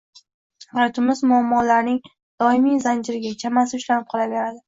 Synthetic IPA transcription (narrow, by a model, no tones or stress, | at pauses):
aɾt̪ʰʊmɪzmʊamːɒlaɾnɪŋ | d̪̥ɒɪmijzand͡ʒɪɾɪɡʲat͡ʃʰamasɪʊʃlanɪp̚qʰɒlˠave̞ɾad̪ɪ